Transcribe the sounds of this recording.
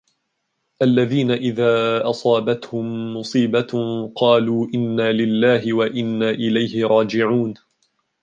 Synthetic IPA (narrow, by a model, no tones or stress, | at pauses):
ʔalːaðiːnaʔɪðaːʔɑsˤɑːbat̪hʊmːʊsˤiːbaqɑːluːʔɪnːaːlɪlːaːɦɪwaʔɪnːaːʔɪlajhɪɾˤɑːd͡ʒɪʕuːn